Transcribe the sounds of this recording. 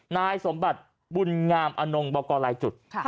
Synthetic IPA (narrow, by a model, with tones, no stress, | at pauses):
naː˧jso˩˦mba˨˩t̪̚ | bu˧nŋaː˧mʔa˧no˧ŋbɔː˧kɔː˧laː˨˦jt͡ɕu˨˩t̪̚